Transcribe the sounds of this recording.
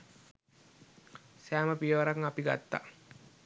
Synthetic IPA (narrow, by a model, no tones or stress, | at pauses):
sæːməpiəʋəɾaŋapiɡa̰t̪ːa̰